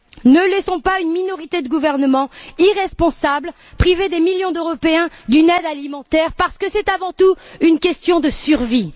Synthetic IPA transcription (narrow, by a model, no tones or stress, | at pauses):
nəlɛsɔ̃paynminɔʁit̪ed̪əɡuvɛʁnəmɑ̃iʁɛspɔ̃sabl | pχived̪emiljɔ̃d̪øʁɔpeɛ̃d̪ynɛd̪alimɑ̃t̪ɛʁpaʁsə̥kəsɛt̪avɑ̃t̪uynkʲɛst̪jɔ̃d̪əsyʁvi